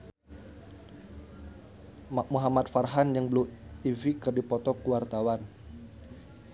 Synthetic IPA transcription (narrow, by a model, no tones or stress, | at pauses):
maʔ̚muɦamat̪̚farɦanjaŋbluivikɨrdipɔt̪ɔkuwart̪awan